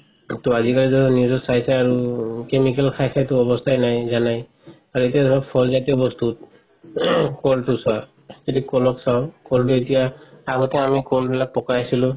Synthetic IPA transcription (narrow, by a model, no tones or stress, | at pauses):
tɔazikalizɔnizɔsajsaaɹukemikɛlkʰajsajtʊɔbɔstʰajnajzanaj | aɹuetijadɔbapʰɔlzatiɔbɔstut̚ | kɔltusa | tedikɔlɔksawkɔlt̬uetijaaɡɔtɛamikɔlbɛlak̚pɔkaasilʊ̃